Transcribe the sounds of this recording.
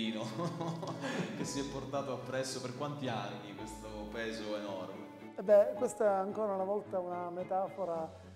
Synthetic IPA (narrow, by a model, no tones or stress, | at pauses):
iːno | k̟esːiɛpːort̪aːt̪oapːɾɛsːoperkwant̪ianːikwest̪opɛːzoenɔrme | ɛbːɛkwest̪ɛaŋkoːɾaunavɔlt̪aunamet̪aːfoɾa